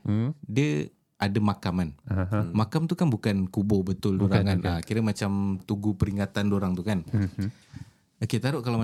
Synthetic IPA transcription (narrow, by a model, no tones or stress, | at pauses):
diə | ʔadamakamanmakamt̪ukanbukankubɔbət̪ʊldoɾaŋanəkiɾəmat͡ʃamt̪uɡupəɾiŋat̪andoɾaŋt̪ukan | oket̪aɾʊʔkalama